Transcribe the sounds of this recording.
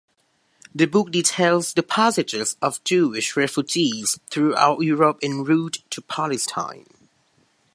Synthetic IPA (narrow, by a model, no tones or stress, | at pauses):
ðəbʊk̚ditʰeɪlˠzðəpʰæsɪd͡ʒɪzəvd͡ʒʉɪʃɹɛfud͡ʒiz̥θɹua̰ʊtjuɹəpɪ̃nɹuttʰːəpʰalɪstʰã̰ɪ̃n